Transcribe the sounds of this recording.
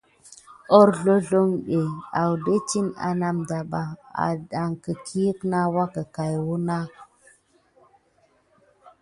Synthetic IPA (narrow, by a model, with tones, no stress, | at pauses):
o˦ɾɮo˦ɮo˦ŋɗe˨a˨wde˦t͡ʃi˦na̰˨na˦mda˨ɓa˨a̰˨ɗa˨ŋkə˨kʰi˦kna˦wa˦kə˨ka˨jwu˦na˦